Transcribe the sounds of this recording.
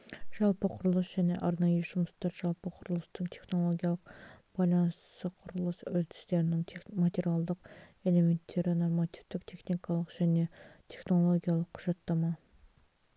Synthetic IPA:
ʒ̥ɑlˠpəqʰʊɾəlˠəsʒ̥æne̞̰ʔɑɾnɑjəʒʊmʊst̪ɑɾʒ̥ɑlˠpəqʰʊɾəlˠəst̪əŋt̪ʰe̞χnolˠo̞ɡʲijɑlˠəqb̥ɑjlˠɑnssəqʰʊɾəlˠəsɵlt̪ʰɪ̥st̪e̞ɾɪnɪŋʰmat̪ʲe̞ɾijalˠd̪əqe̞le̞me̞nt̪ʰːe̞ɾɪno̞rmɑt̪i̥ft̪ɪqt̪ʰe̞χnikɑlˠəqʒ̥æne̞t̪ʰe̞χno̞lˠo̞ɡʲijɑlˠəqʰːʊʒ̥ɑt̪ːɑmɑ

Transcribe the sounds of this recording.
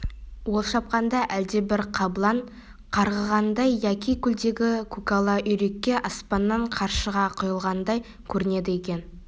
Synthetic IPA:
wo̞lˠʃɑp̚qɑnd̪ɑʔæld̪e̞bɪɾqʰɑblˠɑɴ | qʰɑɾʁəʁɑnd̪ɑjjækʲikʲʰʏld̪e̞ɡʲɪkʰukalˠɑʔʏjɾe̞kʲːe̞ʔɑspɑnːɑɴqʰɑɾʃəʁɑqʰʊjəlˠʁɑnd̪ɑj | kʲʰɵɾɪne̞d̪ɪje̞kʲe̞n

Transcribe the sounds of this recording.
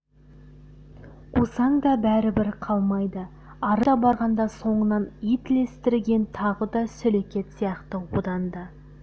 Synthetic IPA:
qusɑŋɡ̪ɑbæɾɪbɪɾqʰɑlˠmɑjd̪ə | ɑɾədɑbɑɾʁɑnd̪ɑso̞ɴənɑnijt̪ɪle̞st̪ɪɾɡʲe̞nt̪ʰɑʁəd̪ɑsɵlekʲe̞t̪sijɑqt̪əod̪ɑnd̪ə

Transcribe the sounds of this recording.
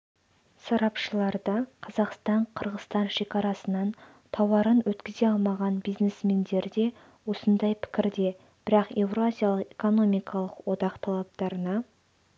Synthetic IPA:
sɑɾɑpʃəlˠɑɾd̪ɑqʰɑzɑqst̪ɑɴqʰəɾʁəst̪ɑnʃe̞kʲɑɾɑsənɑn | t̪ʰɑwɑɾənwɵt̪kʲɪze̞ɑlˠmɑʁɑnbijznesme̞nd̪e̞ɾd̪e̞ | wo̞sənd̪ɑjpʰɪ̥kʲɪɾd̪e̞ | b̥ɪɾɑqe̞vɾoazʲijalˠəqe̞ko̞no̞mijkʰɑlˠəqwo̞d̪ɑqt̪ʰɑlˠɑp̚t̪ɑɾənɑ

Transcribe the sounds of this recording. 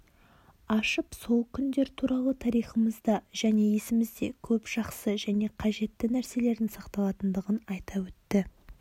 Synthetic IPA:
ɑʃəpso̞lˠkʲʰʏnd̪e̞ɾt̪ʰuɾɑlˠət̪ʰɑɾijχəməzd̪ɑʒæne̞je̞sɪmɪzd̪e̞̰kʲʰɵpʒ̥ɑqsəʒæne̞qʰɑʒe̞t̪ːɪnæɾse̞le̞ɾd̪ɪnsɑqt̪ɑlˠɑt̪ənd̪əʁənɑjt̪ɑwɵt̪ːɪ

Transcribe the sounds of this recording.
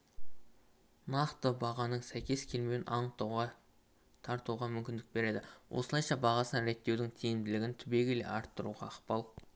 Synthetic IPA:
nɑqt̪əbɑʁɑnəɴsæjkʲe̞skʲʰe̞lme̞wɪnʔɑɴt̪ | t̪ʰɑɾt̪uʁɑmʏmkʲɪnd̪ɪk̚be̞ɾe̞d̪ɪwʔo̰səlˠɑjʃɑbɑʁɑsəɾe̞t̪ːe̞wd̪ɪŋt̪ʰejɪmd̪ɪlɪɡʲɪnt̪ʰʏbe̞ɡʲɪle̞̰ʔɑɾt̪ːəɾṵʁɑːqpɑlˠ

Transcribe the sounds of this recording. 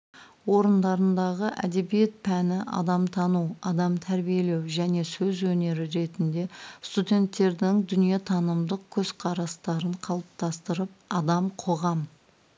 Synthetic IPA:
wo̞ɾənd̪ɑɾənd̪ɑʁəʔæ̰d̪e̞bije̞t̪̚pʰænɪʔɑ̰d̪ɑmt̪ʰɑnuwɑd̪ɑmt̪ʰæɾbije̞le̞wʒæne̞sɵzwɵne̞ɾɪɾe̞t̪ɪnd̪e̞st̪ud̪ʲe̞nt̪ːe̞ɾd̪ɪŋd̪ʏnije̞t̪ʰɑnəmd̪əq̚kʲʰɵz̥qʰɑɾɑst̪ɑɾəɴqʰɑlˠəp̚t̪ʰɑst̪əɾəp̚ɑd̪ɑmqʰo̞ʁɑm

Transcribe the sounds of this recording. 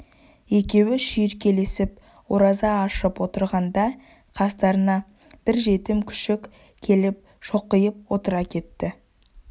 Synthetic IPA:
e̞kʲe̞wɪʃʏjɪɾkʲʰe̞le̞sɪp̚ | woɾɑzɑːʃəpwo̞t̪əɾʁɑnd̪ɑ | qʰɑst̪ɑɾənɑ | b̥ɪɾʒe̞t̪ɪmkʲʰʏ̥ʃɪkʲ | kʲʰe̞lɪp̚ | ʃo̞qːəjəp̚wo̞t̪əɾɑkʲʰe̞t̪ːɪ

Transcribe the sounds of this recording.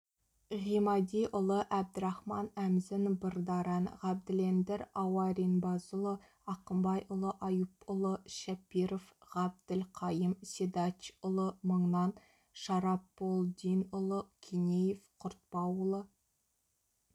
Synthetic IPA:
ʁimɑd̪ijʔʊlˠəʔæb̚d̪ɪɾɑχmɑnæmzɪnbərd̪ɑɾɑnʁɑb̚d̪ɪlend̪ɪɾɑwɑɾinbɑzʊlˠə | ɑqəmbɑjʔʊlˠəʔɑjupʊlˠəʃæpːiɾofʁɑb̚d̪ɪlqʰɑjəmsed̪ɑt͡ʃʊlˠəməɴnɑn | ʃɑɾɑpːolˠd̪ijnʊlˠəkʲʰenʲejefqʰʊɾt̪̚pɑwʊlˠə

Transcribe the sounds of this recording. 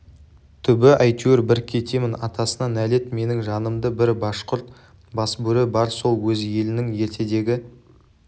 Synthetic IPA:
t̪ʰʏbɪʔɑjt̪jorbɪɾkʲʰe̞t̪e̞mɪnɑt̪ɑsənɑnæle̞t̪me̞nɪŋʒɑnəmd̪əbɪɾbɑʃqʊɾt̪ | bɑsbɵɾɪbɑɾso̞lˠwɵzje̞lɪnɪŋje̞ɾt̪ʰe̞d̪e̞ɡʲɪ

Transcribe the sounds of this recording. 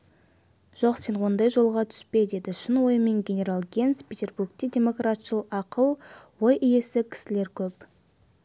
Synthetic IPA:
ʒ̥o̞qse̞nwo̞nd̪ɑjʒo̞lˠʁɑt̪ʰʏ̥spe̞d̪e̞d̪ɪʃɪnwo̞jəme̞ŋɡʲe̞nʲe̞ɾalˠɡʲe̞nspʰʲet̪ʲe̞rburɡt̪ʲe̞dʲe̞mo̞krat̪ʃəlˠəqɑqəlˠwo̞jʔije̞sɪkʲʰɪ̥sɪle̞ɾkʲʰɵp

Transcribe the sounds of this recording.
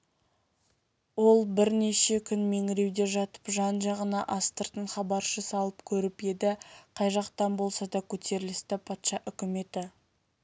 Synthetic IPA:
wo̞lˠbɪɾne̞ʃe̞kʲʰʏnme̞ŋɪɾe̞wd̪e̞ʒɑt̪ə̥pʒɑnʒɑʁənɑʔɑst̪əɾt̪əɴχɑbɑɾʃəsɑlˠəpkʲʰɵɾɪpe̞d̪ɪqʰɑjʒɑqt̪ɑnbo̞lˠsɑd̪ɑkʲʰɵt̪e̞ɾɪlɪst̪ɪpʰɑt̪ʃɑʔʏkʲɪme̞t̪ɪ

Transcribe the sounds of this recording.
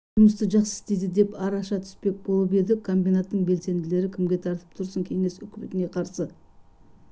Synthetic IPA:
ʒʊməst̪əʒɑqsə̥ɪst̪e̞jd̪ɪd̪e̞pɑɾɑʃɑt̪ʰʏ̥spe̞k̚bo̞lˠəpe̞d̪ɪkʰo̞mbijnat̪ːəɴbe̞lse̞nd̪ɪle̞ɾɪkʲʰɪmɡʲe̞t̪ʰɑɾt̪ə̥p̚t̪ʰʊɾsəŋkʲʰe̞ŋe̞sʏkʲmet̪ɪne̞qʰɑɾsə

